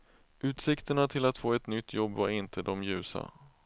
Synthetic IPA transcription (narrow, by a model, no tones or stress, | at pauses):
ʔʉ̟ːt̪sɪkt̪əɳat̪ʰɪlat̪foːɛt̪nʏt̪ʰːjɔbːvaɾɪnt̪ʰəd̪ɔmjʉ̟ːsa̰